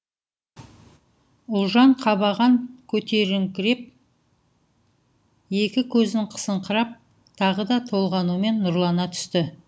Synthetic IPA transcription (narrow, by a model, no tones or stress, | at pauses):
ʊlˠʒɑɴqʰɑβɑʁɑŋkʲʰɵt̪e̞ɾɪŋkʲɪɾe̞p̚ | je̞kʲɪkʲʰɵzɪɴqʰə̥səɴqʰəɾɑp̚ | t̪ʰɑʁəd̪ɑt̪ʰo̞lˠʁɑnume̞nːʊɾlˠɑnɑt̪ʰʏ̥st̪ɪ